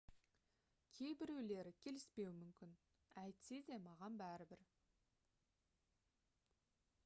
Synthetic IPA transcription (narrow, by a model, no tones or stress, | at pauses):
kʲʰe̞jbɪɾewle̞ɾɪkʲʰe̞lɪspe̞wɪmʏmkʲɪn | æjt̪sed̪e̞mɑʁɑnbæɾɪbɪɾ